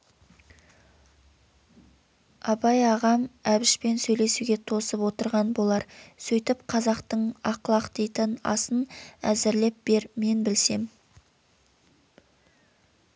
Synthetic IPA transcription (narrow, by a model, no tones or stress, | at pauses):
ɑbɑjɑʁɑmæbɪʃpe̞nsɵjle̞suɡʲe̞t̪ʰo̞səpwo̞t̪əɾʁɑnbo̞lˠɑɾsɵjt̪ɪpqʰɑzɑqt̪əɴɑqlˠɑqt̪ejt̪ɪnɑ̰sənæzɪɾle̞p̚b̥e̞ɾme̞nbɪlse̞m